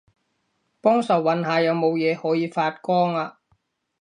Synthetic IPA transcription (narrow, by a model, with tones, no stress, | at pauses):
pɔː˥ŋsɐ˨˩wːɐ˨˥nɦaː˨˧jɐ˨˧wmo˨˧wjɛː˨˧hɔː˨˥jiː˨˧faː˧t̚kɔː˥ŋaː˧